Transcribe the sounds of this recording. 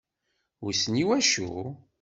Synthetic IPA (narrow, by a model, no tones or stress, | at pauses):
ʊɾsniwæʃṵ